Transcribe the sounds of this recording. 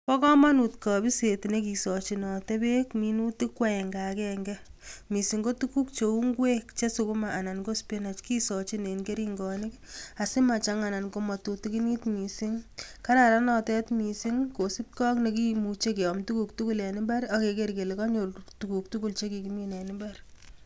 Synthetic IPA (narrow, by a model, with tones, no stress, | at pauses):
pɔ˦kɔ˦ma˦nutkɔ˨bi˦se˨tne˦k̬i˨sɔ˨t͡ʃinɔ˨te˦be˦kmi˦nu˦ti˦kwa˦ɛ˨ŋɡa˨kɛŋɡɛmi˨siŋɡo˦tuku˦kt͡ʃeu˦ŋɡwe˦kt͡ʃe˦sukʊmaʔːna˨nko˦spena˨t͡ʃki˦sɔ˨t͡ʃi˦ne˨nɡe˦ɾi˦ŋɡɔnɪka˨sɪ˦ma˨t͡ʃaŋa˨na˨nko˧mɔ˨tu˨tiki˦ni˦tmi˨si˦ŋka˦ɾaɾa˦nɔ˨tɛ˦tmi˨si˦ŋko˨si˦p̚kɔ˦kne˨k̬i˦mut͡ʃe˦k̬e˨ɔ˨mtu˦ku˨k̚tuku˦lɛ˨nɪ˦mba˦ɾake˨ke˦ɾke˨le˨kɔ˦ɲoltuku˨k̚tu˦ku˦lt͡ʃe˦ki˨kiminɛ˨nɪmbar